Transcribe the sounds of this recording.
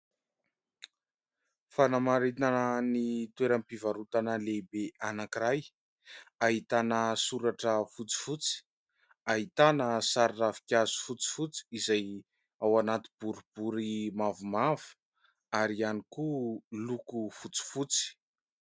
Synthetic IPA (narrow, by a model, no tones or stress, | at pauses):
fanamaɾinanənit̪weɾampivaɾut̪anəlebeanakiɾaj | aɦit̪anəsuɾaʈ͡ʂəfut͡si̥fut͡si̥ | aɦit̪anəsaɾiravi̥kʲazu̥fut͡si̥fut͡si̥izaj | awanat̪i̥b̥uɾub̥uɾimavumavu̥ | aɾianikulukufut͡si̥fut͡si̥